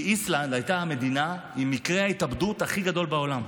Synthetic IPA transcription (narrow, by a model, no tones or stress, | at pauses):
island̪ajt̪aame̞d̪ina | imːikʁehait̪abd̪ut̪aχiɡad̪o̞lbao̞lam